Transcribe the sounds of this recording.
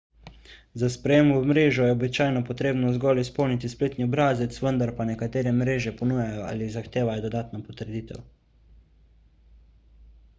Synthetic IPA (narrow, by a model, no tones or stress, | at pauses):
zaspɾɛjeːmumɾeːʒɔjɛobit͡ʃaːjnɔpɔt̪ɾeːbnɔzɡɔːlispɔwnit̪ispleːt̪niɔbɾaːzɛt̪sʋənd̪aɾpanɛkat̪eːɾɛmɾeːʒɛpɔnujajɔa̰ːlizaxt̪eːʋajɔd̪ɔd̪aːt̪napɔt̪əɾd̪iːt̪ɛ̰w